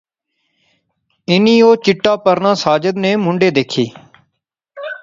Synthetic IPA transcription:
ɪniːoːt͡ʃɪʈːaːpəɾnãːsaːd͡ʒəd̪neːmʊɳɖeːd̪eːkʰiː

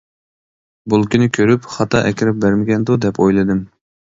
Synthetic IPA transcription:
bulˠkʲinɪkʲʰøɾypχɑt̪ʰɑʔɛ̰kʲiɾɪp̚bæɾmɪɡʲɛnd̪ud̪ɛpʰojlˠɨd̪ɨm

